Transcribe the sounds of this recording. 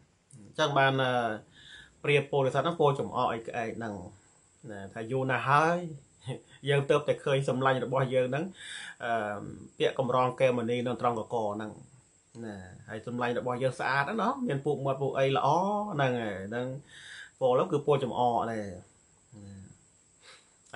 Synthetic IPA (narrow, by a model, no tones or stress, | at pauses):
t͡ɕəŋɓaːnʔəː | priəpːoːlesət̪̚nɨŋpəlt͡ɕɑmʔɑːʔəjkʰə̆ʔaːɛk̚nɨŋ | nat̪ʰaːjŭəlnaɦaəj | jəːŋt̪əːp̚t̪aɛkʰəːɲsɑmlaɲrɔɓɑhjəːŋnɨŋʔəːpĭəʔkɑmrɑːŋkɛːmoniːnɨŋt̪rɑŋkɑkɑːnɨŋ | nahaəjsɑmlaɲrɔɓɑhjəːŋsʔaːt̪̚ʔənɑhmiənpuəʔmŏət̪̚puəʔəjlə̰̆ʔɑːnɨŋanɨŋpoːʔlowkɨːpoəlt͡ɕɑmʔɑːʔneː | na